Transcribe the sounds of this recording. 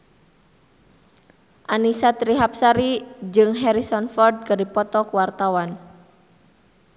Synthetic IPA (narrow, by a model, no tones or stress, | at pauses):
ʔanisat̪ɾiɦap̚saɾid͡ʒɨŋɦɛɾisɔnfɔrd̪̚kadipɔt̪ɔkuwart̪awan